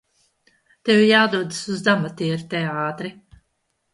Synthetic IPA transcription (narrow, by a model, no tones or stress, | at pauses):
t̪ewjaːd̪uɔd̪ɨsuzd̪amat̪iːɾt̪ɛaːt̪ɾi